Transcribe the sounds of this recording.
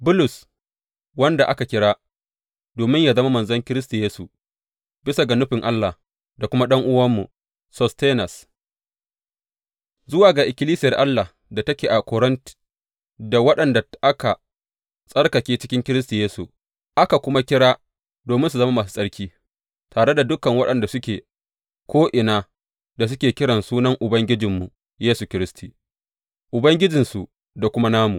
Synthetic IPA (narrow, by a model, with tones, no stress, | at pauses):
bʊ˦lʊ˨s | wɐ˦nda˨ʔa˦ka˨kʲɪ˦ɽaː˦ | doː˨mɪ˦ɲjaː˨zɐ˦ma˦mɐ˨nzɐ˦ŋkʲɪ˦ɾɪ˦s̬ta˨jeː˦su˨ | bɪ˦sa˨ɡa˨nʊ˦ɸɪ˨ŋʔa˦lːa˨ | da˨kʷʊ˦ma˦ɗɐ˦ŋʔʊ˦wɐ˦mːu˨ | sɔ˨steː˦nɐ˨s | zʊ˦waː˨ɡaː˨ʔɪ˨kʲɪ˦liː˦sɪ˦jɐ˨rʔa˦lːa˨ | da˨tɐ˦kʲeː˨ʔa˨kɔ˨ɽɪ˦nt | da˨wɐ˦ɗɐ˨nda˨ʔa˦ka˨ | sʼɐ˦ɽkɐ˨kʲeː˦t͡ʃɪ̥˦kʲɪ˦ŋkʲɪ˦ɾɪ˦sti˨jeː˦su˨ | ʔa˦ka˨kʷʊ˦ma˦kʲɪ˦ɽaː˦ | doː˨mɪ˦ns̬u˨zɐ˦ma˦maː˨s̬u̥˦sʼɐ˦ɽkʲiː˦ | taː˨ɽe˦da˨dʊ˦kːɐ˨ŋwɐ˦ɗɐ˨nda˨sʊ˦kʲeː˨ | kʷʰoː˦ʔɪ˨naː˦ | da˨s̬ʊ˦kʲeː˨kʲɪ˦ɽɐ˨nsuː˦nɐ˦ŋʔʊ˨bɐ˦ŋɡʲɪ˦d͡ʒɪ˨mːu˨ | jeː˦su˨kʲɪ˦ɾɪ˦stʰiː˨ | ʔʊ˨bɐ˦ŋɡʲɪ˦d͡ʒɪ˨nsu˨ | da˨kʷʊ˦ma˦naː˦mu˨